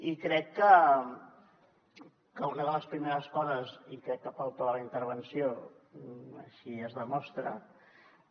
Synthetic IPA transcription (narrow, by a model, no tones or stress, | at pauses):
ikɾɛkːə | kəlˠkəðələspɾimeɾəskɔzəzikɾɛkːəpalˠt̪oðələint̪əɾβ̞ənsio | ə̰ʃiəzðəmɔst̪ɾə̰